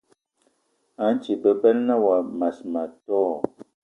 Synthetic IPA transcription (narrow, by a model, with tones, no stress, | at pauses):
a˨˦n˦t͡ʃi˨bə˨bɛ˦lna˦wa˨ma˨sma˨tɔː˦˨